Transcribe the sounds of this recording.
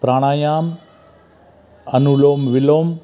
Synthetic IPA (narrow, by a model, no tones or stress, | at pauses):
pɾaːɳaːjaːm | ɐnuloːmʋiloːm